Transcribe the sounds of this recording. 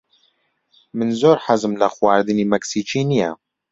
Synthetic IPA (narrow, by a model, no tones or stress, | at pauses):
mɨnzoːɾħazɨmlɐxwaːɾd̪ɨniːmɛksiːt͡ʃiːnijɛ̰